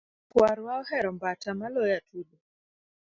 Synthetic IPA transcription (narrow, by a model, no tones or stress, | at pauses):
kwaɾwaɔhɛɾɔmbatamalɔjatʰuɗɔ